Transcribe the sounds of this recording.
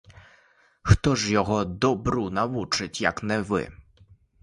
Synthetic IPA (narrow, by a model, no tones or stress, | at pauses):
xt̪ɔʂjɔɣɔd̪ɔbɾunawut͡ʂɨt͡ɕjaknɛvɘ̰